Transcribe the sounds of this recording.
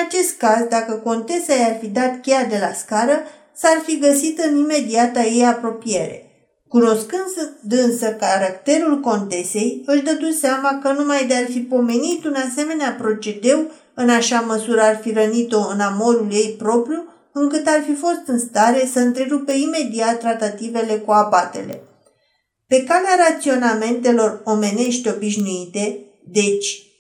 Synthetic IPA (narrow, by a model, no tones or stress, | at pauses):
at͡ʃe̞st̪̚kazd̪akəko̞nt̪e̞sajarfid̪at̪kʲead̪e̞laskaɾə | sarfiɡəsit̪ɨnime̞d̪iat̪aje̞japɾo̞pie̞ɾe̞̰ | kuno̞skɨnd̪ɨnsəkaɾakt̪e̞ɾulko̞nt̪e̞se̞jɨld̪əd̪ut̪seamakənumajd̪e̞arfipo̞me̞nit̪unase̞me̞neapɾo̞t͡ʃe̞d̪e̞w | ɨnaʃaməsuɾəarfiɾənit̪o̞ɨnamo̞ɾulje̞jpɾo̞pɾju | ɨŋkɨt̪arfifo̞st̪ɨnst̪aɾe̞səɨnt̪ɾe̞ɾupe̞ime̞d̪iat̪̚ːɾat̪at̪ive̞le̞kuabat̪e̞̰le̞̰ | pe̞kaleaɾat̪sio̞name̞nt̪e̞lo̞ro̞me̞ne̞ʃt̪o̞biʃnuit̪e̞ | d̪e̞t͡ʃʲ